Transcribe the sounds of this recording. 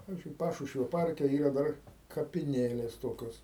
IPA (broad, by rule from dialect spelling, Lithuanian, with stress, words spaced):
pɐʋʲɪzʲd͡ʒʲʊɪ ˈpɑːʃʊʃʲʋʲoː ˈpɐrʲkʲɛ ˈiːrɐ ˈdɐr kɐpʲɪˈnʲeːlʲeːs ˈtoːkʲoːs